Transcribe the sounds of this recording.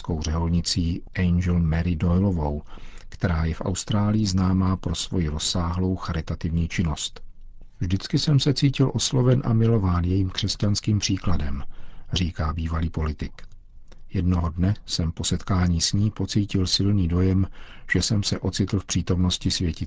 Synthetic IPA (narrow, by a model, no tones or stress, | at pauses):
sko̞wr̝ɛɦolɲɪt͡siːʔɛjnd͡ʒɛlmɛɾɪdojlo̞vo̞wkt̪ɛɾaːjɛfʔa̰wst̪ɾaːlɪjɪznaːmaːpɾo̞svo̞jɪɾo̞sːaːɦlo̞wxaɾɪt̪at̪ɪvɲiːt͡ʃɪno̞st̪ | vʒdɪt͡skɪsɛmsɛt͡siːcɪlʔo̞slovɛnʔa̰mɪlo̞vaːnjɛjiːmkr̥ɛscanskiːmpr̥iːkladɛmr̝iːkaːbiːvaliːpo̞lɪt̪ɪk | jɛdno̞ɦo̞dnɛsɛmpo̞sɛt̪kaːɲiːsɲiːpo̞t͡siːcɪlsɪlniːdo̞jɛmʒ̥ɛsɛmsɛʔo̞t͡sɪt̪l̩fpr̝̥iːt̪o̞mno̞scɪsvjɛcɪ